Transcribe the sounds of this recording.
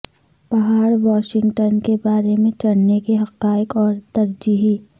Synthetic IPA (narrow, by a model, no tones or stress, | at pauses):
pɐɦaːɾʋɔːʃɪ̃ŋɡʈənkebaːɾemẽt͡ʃɐɽnekiɦɐqaːɪkɔːɾt̪ɐɾd͡ʒiɦi